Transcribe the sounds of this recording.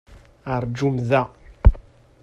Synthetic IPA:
aɾd͡ʒumða

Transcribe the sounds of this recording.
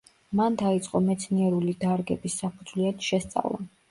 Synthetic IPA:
mand̪ait̪sʼqʼɔmɛt̪sʰniɛɾulid̪aɾɡɛbisːapʰud̪zwlɛt̪ʃɛst̪sʼa̰vlˠa̰

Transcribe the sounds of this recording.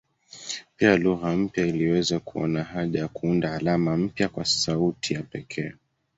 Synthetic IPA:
pialuɣam̩pjailiwɛzakuɔ̰naɦaʄajakuundaːlamam̩pjakwasautʰijapɛkʰɛː

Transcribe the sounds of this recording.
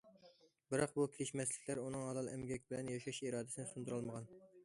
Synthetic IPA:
bɪɾɑq̚bukʲʰiɾɪʃmɛslɪkʲlæɾunɨŋhɑlˠɑlˠɛmɡʲɛkʲbɪlɛnjɑʃɑʃiɾɑːd̪ɪsɪnɪsund̪uɾɑlˠməʁɑn

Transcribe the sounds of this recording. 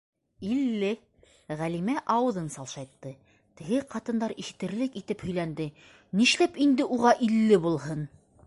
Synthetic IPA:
ilːɘ | ʁælimæʔɑwɤ̆ðɤnsɑlˠʃɑjt̪ːɤ | t̪ɘ̆ɣɘqɑt̪ɤ̆nd̪ɑɾiʃɘ̆t̪ɘ̆ɾlɘkit̪ɘphɵ̆jlænd̪ɘ | niʃlæpind̪ɘʔuʁɑʔilːɘbulˠɦɤn

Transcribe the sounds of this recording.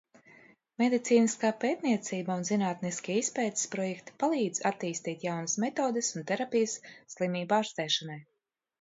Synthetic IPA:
med̪it̪siːniskaːpeːt̪niɛt̪siːbaunzinaːt̪niskʲiispɛːt̪i̥spɾɔjɛkt̪i̥palˠiːd̪zat̪ːiːst̪iːt̪jawnɐsmɛt̪oːd̪ɪsunt̪ɛɾapijəsːlˠimʲiːbaɾst̪ɛːʃanaj

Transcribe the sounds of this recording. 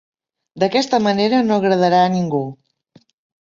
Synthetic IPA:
d̪əkɛst̪əməneɾənoəɣɾəð̞əɾaːniŋɡu

